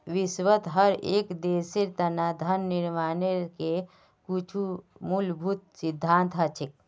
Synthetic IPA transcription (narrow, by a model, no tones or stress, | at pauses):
ʋisʋət̪ɦəɾekd̪eseɾt̪ənad̪ʱənːiɾmaneɾke | kit͡ʃʰumulbʱut̪̚sid̪ʱːant̪ɦət͡ʃʰik̚